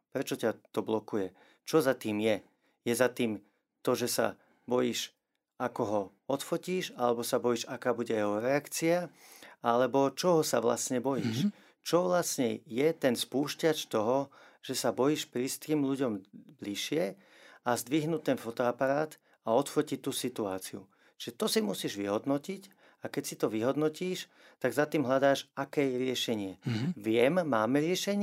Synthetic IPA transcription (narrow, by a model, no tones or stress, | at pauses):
pɾɛt͡ʃɔcat̪ɔblɔkujɛ | t͡ʃɔzat̪iːmjɛ | jɛzat̪iːm | t̪ɔʒɛsa̰ | bɔjiːʃ | akɔɦɔ | ɔt̪fɔciːʃalɛbɔsabɔjiːʒakaːbuɟɛjɛɦɔɾɛakt͡siaalɛbɔt͡ʃɔɦɔsaʋla̰sɲɛbɔjiʃ | t͡ʃɔʋlasɲɛjɛt̪ɛnspuːʃcat͡ʃt̪ɔɦɔ | ʒ̥ɛsabɔjiːʃpɾiːst̪kiːmʎuɟɔmb̪liʃɪɛ | azd̪ʋiɦnuːtt̪ɛnfɔt̪ɔapaɾaːt̪ | aɔt̪fɔcit̪ːuːsit̪ua̰ːt͡siṵ | t͡ʃiʒɛt̪ɔsimusiːʒʋḭɦɔd̪nɔcic | akɛcsit̪ɔʋiɦɔd̪nɔciːʃ | t̪aɡzat̪iːmɦʎad̪aːʃakɛːjɛɾɪɛʃɛɲɪɛʋɪɛmːaːmɛɾɪɛʃɛɲ